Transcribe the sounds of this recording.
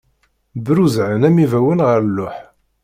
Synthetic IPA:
bɾuzʕənæmivæwənʁəɾlːʊħ

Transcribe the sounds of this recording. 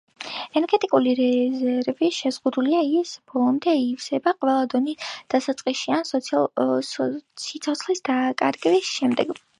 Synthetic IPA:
ɛnɛɾɡɛt̪ʼikʼuliɾɛzɛɾviʃɛzʁud̪uliaisb̥ɔlˠɔmd̪ɛifsɛbaqʼwɛlˠad̪ɔnisd̪̥asat̪sʼqʼiʃians | sit̪sʰɔt̪sχlisd̪̥akʼa̰ɾɡɛbisʃɛmd̪ɛɡ

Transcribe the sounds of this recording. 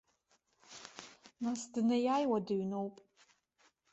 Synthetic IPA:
nasdɨnajajwadɨɥnowpʼ

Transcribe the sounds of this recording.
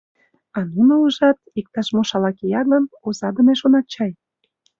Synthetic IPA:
ɑnunouʒɑt̪̚ik̚t̪ɑʃmoʃɑlɑkejɑɡɤ̆nozɑd̪ə̆neʃonɑt͡ɕɑj

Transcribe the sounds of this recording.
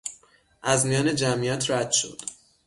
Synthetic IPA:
ʔæzmijɒːne̞d͡ʒæmijæt̪ʰɾæd̪̥ʃo̞̰d̪̥

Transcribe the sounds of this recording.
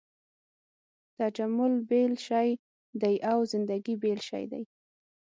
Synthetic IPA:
t̪ad͡ʒamʊlbelʃɑj | d̪ajʔawzɪnd̪aɡibelʃɑ̰jd̪a̰j

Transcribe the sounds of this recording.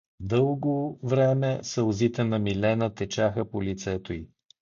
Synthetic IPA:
d̪ɤlˠɡovɾɛmɛsəlˠzit̪ɛnɐmilɛnət̪ɛt͡ʃaxəpolit̪sɛt̪oi

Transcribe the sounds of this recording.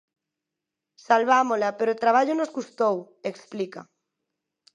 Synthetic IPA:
salβamolapeɾot̪ɾaβ̞aʎonozɣust̪ow | eksplika

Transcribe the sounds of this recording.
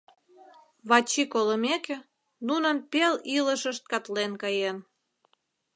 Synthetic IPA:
βɑt͡ɕikoləmekĕ | nunənpeliləʃəʃt̪̚kɑt̪lenkɑjen

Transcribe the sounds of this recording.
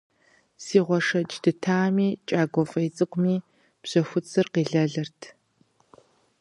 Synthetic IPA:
siːʁʷɔʂɐd͡ʒdɨtʰaːmiːt͡ʃʼaːɡʷɔfʼɐjt͡sʼɨqʷmiː | b̥ɕɐxʷʊt͡sʰʼɨrqiːɮɐɮɐrtʰ

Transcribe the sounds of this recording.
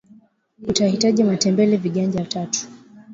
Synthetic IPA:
utahitaʄiamatɛmbɛlɛviɠaɲd͡ʒatatu̥

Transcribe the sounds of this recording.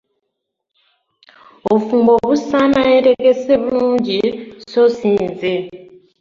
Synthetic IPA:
ofuːmbo̞βusanajeɾe̞ɡe̞se̞βuluːɲɟiso̞siːnze

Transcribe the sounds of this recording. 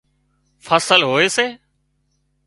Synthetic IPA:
fʰəsəlɦoːeːseː

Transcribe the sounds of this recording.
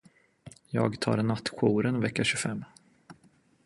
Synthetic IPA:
jɑːɡt̪ʰɑ̰ːɾnat̪ːɧuːɾənvɛkːaɕɵfɛmː

